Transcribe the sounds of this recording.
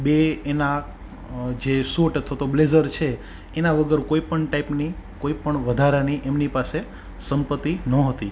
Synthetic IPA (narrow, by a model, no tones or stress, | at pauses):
beːna | d͡ʒesoʈət̪ʰʋat̪oblezəɾt͡ʃʰeː | naʋəɡəɾkoipəɳʈaipnikoipəɳʋəd̪ʱaɾaniʔemnipase | səmpət̪ːinəɦət̪i